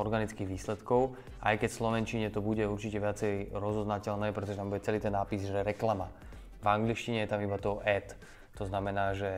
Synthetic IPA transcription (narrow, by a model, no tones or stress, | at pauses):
ɔɾɡanit͡skiːɣʋiːslɛt̪kɔʊ | ʔa̰jkɛcslɔʋɛnt͡ʃiɲɛt̪ɔbuɟɛuɾt͡ʃicɛʋɪat͡sɛjɾɔzɔznacɛlnɛːpɾɛt̪ɔʒɛt̪ambuɟɛt͡sɛliːt̪ɛnːaːpizʒɛɾɛklama | vaŋɡliʃciɲɛjɛt̪amibat̪ɔʔɛt̪ | t̪ɔznamɛnaːʒɛ